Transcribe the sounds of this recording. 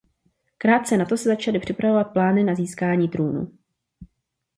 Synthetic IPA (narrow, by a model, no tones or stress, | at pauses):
kɾaːt̪̚t͡sɛnat̪o̞sɛzat͡ʃalɪpr̝̥ɪpɾavo̞vat̪̚plaːnɪnaziːskaːɲiːt̪ɾuːnṵ